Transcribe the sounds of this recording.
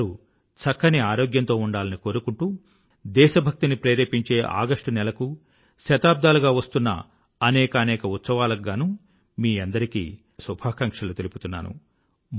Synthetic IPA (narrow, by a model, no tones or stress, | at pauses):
ɾu | t͡ʃɐkːɐniaːɾo̞ːɡjɐnt̪o̞ːuɳɖaːlɐniko̞ːɾukuɳʈuː | d̪ɛːʃɐbʱɐk̚t̪inipɾeːɾeːpiɲt͡ʃe̞ːʔa̰ːɡɐʂʈɐnɛlɐku | ʃɐt̪aːb̚d̪aːluɡaːʋɐst̪unːɐ̰ | ɐnɛːkɐːnɛːkɐut̪sɐʋaːlɐɡːanuː | miːɐnd̪ɐɾikḭː | subʱaːkɐŋkʂɐlut̪elipu̥t̪unːa̰ːnṵ